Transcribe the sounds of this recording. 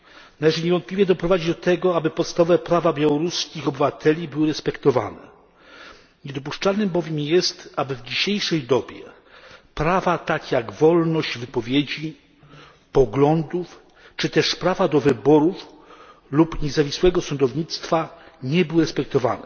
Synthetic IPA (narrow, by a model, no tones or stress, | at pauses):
nalɛʐɘɲɛvɔnt̪̚pʲlʲivʲjɛd̪ɔpɾɔvad͡ʑid̪ɔt̪ɛɡɔabɘpɔt̪st̪avɔvɛpɾavabʲjawɔɾuskʲixɔbɘvat̪ʰɛlʲibɘwɘɾɛspɛkt̪ɔva̰nɛ̰ | ɲɛd̪ɔp̬uʂt͡ʂalnɘmbɔvʲjɛmjɛst̪abɘvd͡ʑiɕejʂɛjd̪ɔbʲjɛ | pɾavat̪akʲjaɡvɔlnɔʑd͡ʑvɘpɔvʲjed͡ʑi | pɔɡlɔnd̪uf | t͡ʂɘt̪ɛʂpɾavad̪ɔvɘbɔɾuf | lupɲɛzavʲiswɛɡɔsɔnd̪ɔvɲit̪st̪faɲɛbɘwɘɾɛspɛk̚t̪ɔva̰nɛ